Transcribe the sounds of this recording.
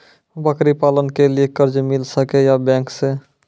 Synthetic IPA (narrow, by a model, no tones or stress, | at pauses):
bəkɾipalənkeliekəɾd͡ʒmilsəkejabɛ̃ŋkse